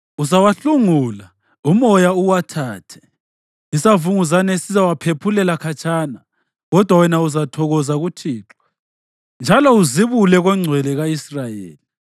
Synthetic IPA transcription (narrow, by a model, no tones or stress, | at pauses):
uzawaɬuŋuːla | umɔjauwatʰaːtʰɛ̥ | isavuŋuzanɛsizawapʰepʰulɛlakʰat͡ʃʰʼaːna | ɣɔd̥ʱwawɛnauzatʰɔɣɔzaɣutʰiːǁɔ̥ | nd͡ʒʱalɔuziβulɛɣwɛŋ͡ǀʱwɛlɛɣaisrajḛːli